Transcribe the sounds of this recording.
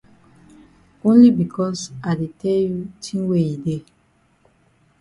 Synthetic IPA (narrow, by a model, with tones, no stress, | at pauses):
õ˦nli˦bi˨kʰɔ˦sa˨de˨tʰɛ˦lju˦tʰĩ˦ŋwe˦i˨de˦˨